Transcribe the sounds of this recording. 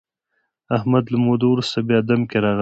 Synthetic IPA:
ahmad̪lamod̪owɾust̪abjɑd̪amkeɾɑɣ

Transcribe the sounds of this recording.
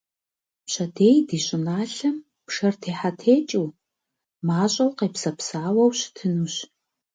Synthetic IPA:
pɕɐdeːjdiːɕʼɪnaːɬɨm | pʂɐrtʰeːħatʰeːt͡ʃʼiw | maːɕʼɐwqeːpsɐpsaːwɐwɕtʰɨnuːɕ

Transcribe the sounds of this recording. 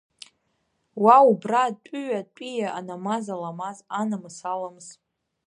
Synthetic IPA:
waubrat͡pʷʼʏɥat͡pʷʼijaa̰namazalamazanamɨsalamz

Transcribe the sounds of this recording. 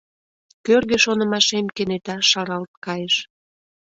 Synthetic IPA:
kørɣĕʃonə̆mɑʃemkenet̪ɑʃɑɾɑlt̪̚kɑjeʃ

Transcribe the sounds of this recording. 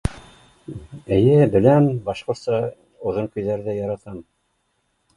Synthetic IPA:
ɘ̆jɘbɘ̆lænbɑʃqŏɾt̪sɑ | ŏðɤŋkɵ̆jðæɾðæjɑɾɑt̪ɑm

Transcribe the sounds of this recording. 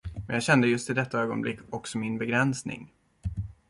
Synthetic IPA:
mɛnjɑːɡɕɛnd̪əjɵst̪ɪd̪ɛt̪ːaøːɡɔ̰nblɪ̰kːɔksɔmɪnbɛɡɾɛnsnɪ̰ŋ

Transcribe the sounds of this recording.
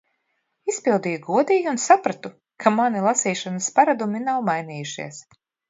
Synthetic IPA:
ispilˠd̪iːjuɡuɔd̪iːjuːnsapɾat̪u | kʰamanilˠasiːʃanaspaɾad̪uminawmajniːjuʃḭɛs

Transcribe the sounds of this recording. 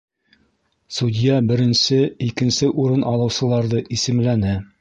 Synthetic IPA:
sud̪ʲjabɘ̆ɾɘ̆nsɘikɘ̆nsɘʔuɾɤnʔɑlˠɤ̆wsɤ̆lˠɑɾðɤʔisɘ̆mlænɘ

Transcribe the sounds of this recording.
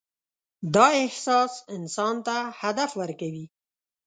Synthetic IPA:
d̪ɑɪhsɑsɪnsɑnt̪ahad̪afwəɾkawi

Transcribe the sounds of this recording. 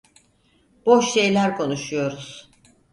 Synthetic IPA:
b̥oʃʃe̞jlʲæɾkʰo̞nuʃujo̞ɾuz̥

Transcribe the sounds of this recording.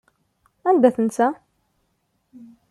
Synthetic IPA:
ænd̪æθənsæ

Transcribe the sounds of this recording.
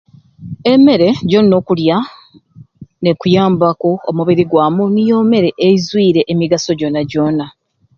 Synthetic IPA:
e̞me̞ɾe̞ɟo̞nno̞ːkulja | nekujaːmbako̞ːmuβiɾiɡwaːmunijo̞me̞ɾe̞ʔeizwiːɾe̞ʔːmiɡaso̞ɟo̞nːaɟo̞na

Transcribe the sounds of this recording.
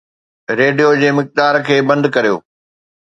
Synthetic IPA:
ɾeːɖijod͡ʑeːmɪk̚d̪aːɾkʰeːbɐ̃nd̪kɐɾijo̰ː

